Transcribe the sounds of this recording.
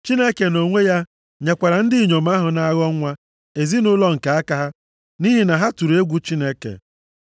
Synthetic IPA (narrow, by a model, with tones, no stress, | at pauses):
t͡ʃi˦ne˦ke˨no˨ŋʷe˦ja˦ | ɲe˨kʷa˨ɾa˨n̩˦dɪ˦˨ɲo˨m̩˦a˦ɦʊ˨na˦ɣɔ˦ŋʷa˦ | e˨zi˦nʊ˦lɔ˦ŋ̩˨ka˨a˦ka˨˦ɦa˦ | ni˦ɦi˨na˨ɦa˦tu˨ɾu˨˦e˦ɡʷu˦t͡ʃi˦ne˦kḛ˨